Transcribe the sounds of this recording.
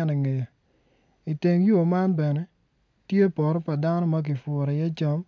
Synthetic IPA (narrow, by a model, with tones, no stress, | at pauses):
ɛ˦ne˨ŋe˨ja˨ | i˨te˨ŋju˦˨ma˦nbɛ˨nɛ˦ | tje˦pɔ˨ɾɔ˦pa˨da˦nɔ˦ma˦k̬ɪ˨fʊ˨ɾɛ˨jɛ˦t͡ʃɔ˦m